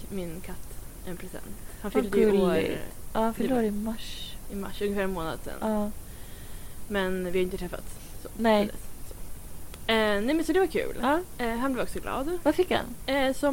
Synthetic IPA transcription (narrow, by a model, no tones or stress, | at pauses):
mɪnkʰat̪ːʔɛnpʰɾɛsɛ̰nt̪hanfʏlld̪əo̰ʔɑːnfəluɾɪmaʂɪma̰ʂːɵnŋɡəfæːɾɛnmoːna̰d̪sɛ̰nːɑ | mɛnvɪhaʏɪnət̪ɾɛfːa̰t̪ | sonɛd̪ɛsɔ | ɛnɛmɛnsɔd̪ɛvakʰʉ̟̰ːlːɦanblɛːvɔksɔɡlɑ̰ːd̪vafɪkha̰nsɔ